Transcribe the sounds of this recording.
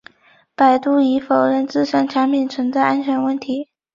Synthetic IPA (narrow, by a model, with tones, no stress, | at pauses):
pa˨˩ɪt̪u˥˩i˧˥fo˨˩ʊɻə˥˧nt͡sɹ̩˥˩ʂa˥˩nʈ͡ʂʰa˧˥npʰi˨˩nt͡sʰwə˧˥nt͡sa˥˧ɪʔa˥nt͡ɕʰɥɛ˧˥nwə˥˩nt̪ʰi˧˥